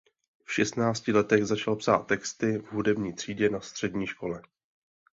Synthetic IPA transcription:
fʃɛst̪naːt͡scɪlɛt̪ɛɣzat͡ʃalpsa̰ːt̪ːɛkst̪ɪvɦudɛbɲiːt̪r̝̥iːɟɛnast̪r̝̥ɛdɲiːʃko̞lɛ

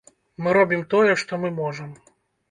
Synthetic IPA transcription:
mɨɾɔbʲimt̪ɔjɛʂt̪ɔmɨmɔʐɐm

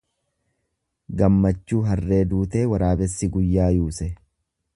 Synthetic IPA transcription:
ɡɐmːɐt͡ʃːuːɦɐrːe̞ːd̪uːt̪e̞ːwɐɾaːbɛsːɪɡʊjːaːjuːsɛ

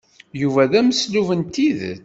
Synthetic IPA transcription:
juvæðæməsluvənt̪ið

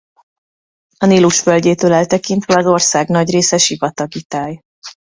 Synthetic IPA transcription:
ɒniːluʃfølɟeːt̪øːlɛlt̪ɛkint̪ʋɛɒzo̞rsaːɡnɒɟreːsɛʃivɒt̪ɒɡit̪aːj

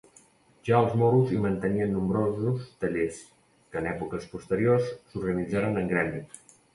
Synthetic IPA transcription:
ʒ̥aəlˠzmoɾuzimənt̪əniənːumbɾozust̪əʎes | kəːnɛpukəspust̪əɾiorsːuɾɣənid͡zaɾənəŋɡɾɛnd̪i

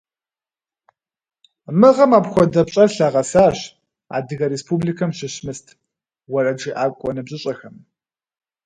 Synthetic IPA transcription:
mɨʁɐmaːpxʷɔdɐpɕʼɐrɬaʁɐsaːɕ | a̰ːdɨɣɐɾespʰublikʰɐmɕɪɕmɨstʰ | wɐrɐd͡ʒiːʔaːkʷʼɔnɨbʑʼɪɕʼɐxɐm

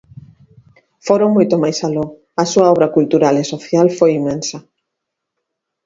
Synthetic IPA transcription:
foɾoŋmojt̪omajsalo | ɐsuɐɔβɾɐkult̪uɾalesoθjalfojimːensɐ

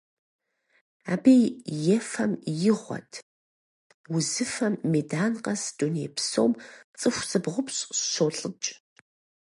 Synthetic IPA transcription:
aːbejjɛfɐmjɪʁʷɔ̰tʰ | wʊzɨfɐmːeːdaːnqɐsd̥unḛːpʰso̰ːmt͡sʼɨxʷsʼɨbʁʷʊpɕʼʃoːɬʼɨt͡ʃʼ

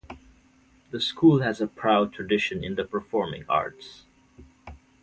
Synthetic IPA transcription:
ðəskʰulˠhɨzəpʰɹ̥aʊd̚tʰɹ̥ɨdɪʃɨ̃nɪ̃nðəpʰə˞fɔɹmɪ̰̃ŋɑ̰ɹts

